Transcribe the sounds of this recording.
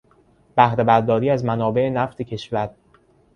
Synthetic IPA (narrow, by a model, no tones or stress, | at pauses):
b̥æhɾe̞bæɾd̪ɒːɾiːæzmænɒːbe̞ʔenæft̪ʰe̞cʰeʃvæɾ